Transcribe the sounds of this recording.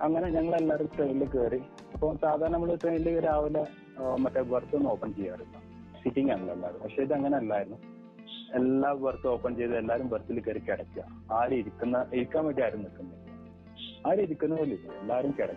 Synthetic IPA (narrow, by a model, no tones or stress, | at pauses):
ɐŋːɐne̞ɲɐŋːɐɭe̞lːaːɾumʈrejilːɨkeːri | ɐpːomsaːd̪ʱaːɾɐɳɐmːɐɭuʈrejnilːɨkeɾaːʋɐlɐ | mɐtːeʋɐrt̪ːɨnoːpːɐɳt͡ɕejːaːrunːu | siʈːiŋɡaɳɐlːelːaːɾnːpɐkʂeɐðɨɐŋːɐneɐlːaːjiɾunːu | elːaːʋɐrt̪ːɨo̞ːpːɐɳt͡ɕejɐðelːaːɾumʋɐrt̪ːilkeːrikːiɽɐkːiɐ | aːɾiɾikʲːunːɐʔiɾikʲːaːmʋeʈːijaːɾumnilkːunːɐi | aːɾiðikʲːunːɐilːinːṵelːaːɾumkeɽɐkː